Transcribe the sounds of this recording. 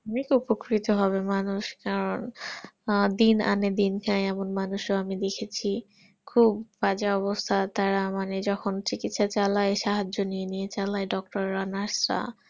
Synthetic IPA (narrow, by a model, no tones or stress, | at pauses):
ɔnekupokɾit̪oɦɔβemanuʃkaɾon | d̪ina̰ned̪inkajɛmonmanuʃoamid̪ekʰet͡ɕʰi | kʰubbad͡ʑaɔbost̪ʰat̪aɾamaned͡ʑɔkʰont͡ɕikit̪ʃat͡ɕalaeʃaɦad͡ʑːonijenijet͡ɕalaeɖɔk̚ʈoɾːanasɾa̰